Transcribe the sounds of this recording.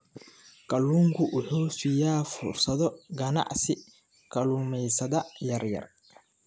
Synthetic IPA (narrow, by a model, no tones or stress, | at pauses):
kɐluːŋkʰʊʔʊħuːsɪjaːfʊrsɐðɔɡɐnɑ̰ʕsɪ | kʰɐluːmɛjsɐðɐjɐrjɐ̰r